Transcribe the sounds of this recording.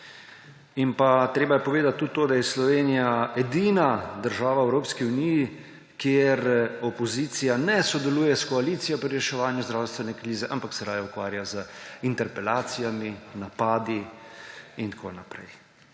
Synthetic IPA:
inpat̪ɾeːbajɛpɔʋeːd̪at̪ːut̪t̪ːoːd̪ajɛslɔʋeːnijaɛd̪iːnad̪əɾʒaːʋaɛwɾoːpskiuniːji | kʰjeɾɔpɔziːt̪sijanɛsɔd̪ɛluːjɛskɔalit̪sijɔpɾiɾɛʃɛʋaːnjuzd̪ɾawst̪ʋɛnɛkɾiːzɛʔampaksɛɾaːjaukʋaːɾjazəint̪ɛɾpɛlaːt̪sijaminapaːd̪i | int̪akʰo̰napɾɛ̰j

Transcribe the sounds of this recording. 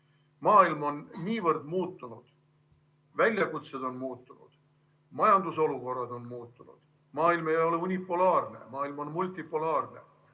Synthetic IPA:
mɑːilmo̞nːiːvɤrd̪muːt̪ːˑunud̪̥ | vælʲjɑkut̪sed̪̥o̞nmuːt̪ːunṵd̪̥ | mɑjɑnd̪uso̞luko̞rːɑd̪̥o̞nmuːt̪ːunṵd̪̥ | mɑːilmejɑjo̞le̞unʲipˑːulɑːrne̞̰mɑːilmo̞nmult̪ʲːˑipːˑulɑːrne̞̰

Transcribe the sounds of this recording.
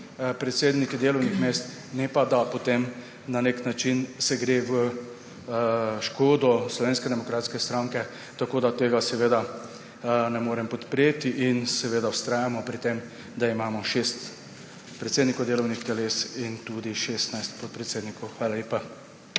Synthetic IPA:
pɾɛt̪seːd̪nikid̪eːlɔwnixmeːst̪ | nɛpad̪apɔt̪em | naneknat͡ʃinsɛɡɾeːʋə | ʃkoːd̪ɔslɔʋeːnskɛd̪ɛmɔkɾaːt̪skɛst̪ɾaŋkɛ | t̪akoːd̪at̪eːɡasɛʋeːd̪a | nɛmoːɾɛmpɔt̪pɾeːt̪iʔinsɛʋeːd̪awst̪ɾaːjamɔpɾit̪em | d̪aimaːmɔʃest̪ | pɾɛt̪seːd̪nikɔwd̪eːlɔwnixt̪ɛleːsint̪ud̪iʃest̪najst̪pɔt̪̚pɾɛt̪seːd̪nikɔwxʋaːlaleːpa

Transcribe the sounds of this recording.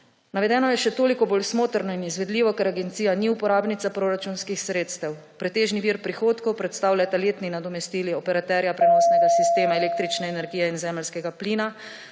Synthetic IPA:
naʋɛd̪ɛːnɔjɛʃɛt̪oːlikɔboːlsmoːt̪əɾnɔinizʋɛd̪liːʋɔkɛɾaɡɛnt̪siːjaniupɔɾaːbnit̪sapɾoːɾat͡ʃunskixsɾeːt̪st̪ɛw | pɾɛt̪eːʒniʋiːɾpɾixoːt̪kɔwpɾɛt̪st̪aːwlʲjat̪aleːt̪ninad̪ɔmɛst̪iːliɔpɛɾat̪ɛɾjapɾɛnɔːsnɛɡasist̪eːmaɛleːk̚t̪ɾit͡ʃnɛɛnɛɾɡijɛinzɛːməlskɛɡapliːna

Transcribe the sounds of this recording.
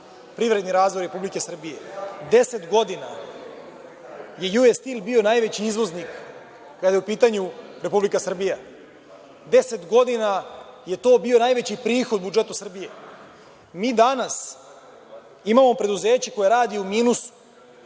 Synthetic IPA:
pɾiʋɾe̞d̪niɾaːzʋo̞jɾe̞publike̞sr̩bije̞d̪ese̞t̪ɡo̞d̪ina | je̞juest̪iːlˠbio̞naːjʋe̞t͡ɕiizʋo̞znikː | ad̪ajeupiːt̪aɲuɾe̞publikasr̩bija | d̪e̞se̞t̪ɡo̞d̪inaje̞t̪o̞ːbio̞najʋe̞t͡ɕipɾiːxo̞d̪̚bud͡ʒe̞t̪usr̩bije̞ | miːd̪anas | imamo̞pɾe̞d̪uzeːt͡ɕeko̞jeɾaːd̪ioumiːnusu̥

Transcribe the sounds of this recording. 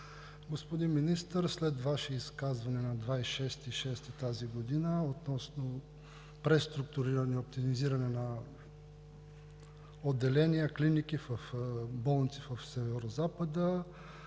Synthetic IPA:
ɡospod̪imminist̪əɾslɛt̪vaʃiiskazvɐnɛnɐd̪vaiʃɛst̪iʃɛst̪it̪aziɡod̪inəot̪nɔsno | pɾɛst̪ɾuk̚t̪ʊɾiɾənɛop̚t̪imiziɾɐnɛnɐ | od̪ːɛlɛniəklinik̟ifəfbɔlˠnit̪sifəfsɛvɛɾozapəd̪ə

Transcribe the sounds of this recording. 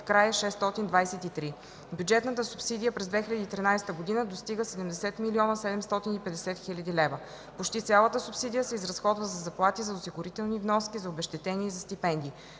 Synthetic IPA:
kɾajəʃɛst̪ɔt̪ind̪vajsɛt̪it̪ɾi | bʲjud͡ʒɛt̪nət̪əsupsid̪ijəpɾɛzd̪vɛxilʲɐd̪iːt̪ɾinajst̪əɡod̪inəd̪ost̪iɡəsɛd̪ɛmd̪ɛsɛt̪miliɔnəsɛd̪ɛmst̪ɔt̪inipɛd̪ɛsɛt̪xilʲɐd̪ilɛvə | pot͡ʃt̪it̪sʲalˠət̪əsupsid̪ijəsɛizɾɐsxɔd̪vəzɐzɐplˠat̪izɐʊsiɡʊɾit̪ɛlˠnivnɔskʲizɐobɛʃt̪ɛt̪ɛniɛzɐst̪ipɛnd̪i

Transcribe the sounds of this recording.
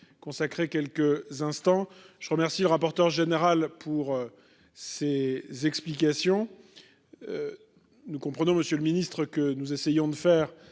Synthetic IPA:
kɔ̃sakχekʲɛlkəzɛ̃st̪ɑ̃ʒ̥əʁəmɛʁsiləʁapɔʁt̪œʁʒeneʁalpʰuʁø | sezɛksplikasjɔ̃ | nukɔ̃pχənɔ̃məsjøləminist̪χəkənuzesejɔ̃d̪əfɛːʁ

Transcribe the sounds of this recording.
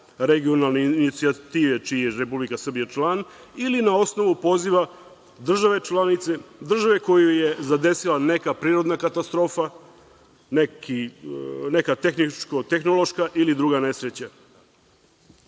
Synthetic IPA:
ɾeɡio̞nalˠnenit̪siat̪iːʋe̞t͡ʃijeɾepublikasr̩bijat͡ʃlˠanilinao̞sno̞ʋupo̞ziʋa | d̪r̩ʒaʋe̞t͡ʃlˠanit̪se̞d̪r̩ʒaʋe̞ko̞juje̞zad̪e̞silane̞kapɾiːɾo̞d̪nakat̪ast̪ɾo̞ːfa | neki | nekat̪e̞xnit͡ʃkot̪e̞xno̞lo̞ʃkaʔilid̪ɾuɡane̞sɾet͡ɕa

